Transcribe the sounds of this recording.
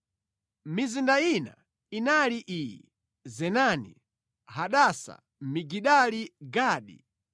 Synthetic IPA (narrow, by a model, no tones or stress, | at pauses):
mizindaina̰ | inaliʔijḭ | zɛnanḭ | ɦaɗasa̰ | miɡiɗaliɡaːɗḭ